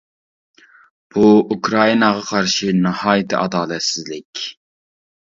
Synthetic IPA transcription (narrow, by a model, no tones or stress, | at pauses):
b̥uukʰɾɑinɑʁɑqʰɑɾʃinɑhɑːjt̪ʰɪʔɑd̪ɑːlɛt̪sɪzlɪkʲ